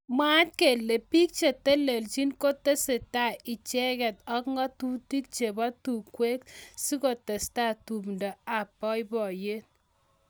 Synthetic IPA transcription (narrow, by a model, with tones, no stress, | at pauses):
ma˦tke˨lːe˨pi˦k̚t͡ʃe˨te˦le˨lt͡ʃi˦nko˦te˦se˨ta˨ʔɪ˨t͡ʃɛ˦kɛ˨tɔ˦kŋɔ˦tu˦ti˦k̚t͡ʃe˨bɔ˦tu˨kːwe˦ksi˦ko˨te˨sta˦˨tu˨mndɔ˨a˨pːɔ˦jbɔ˨je˦t̚